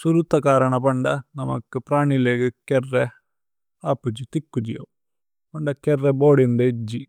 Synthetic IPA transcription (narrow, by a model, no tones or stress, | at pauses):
suɾut̪ːɐkaːɾɐɳɐpɐɳɖɐnɐmɐ̰kːupɾaːɳileɡɐkɛrːe | aːpːud͡ʒit̪ikːud͡ʒḭjɐ̰ | pɐɳɖɐkɛrːeboːɽind̪ed͡ʒːi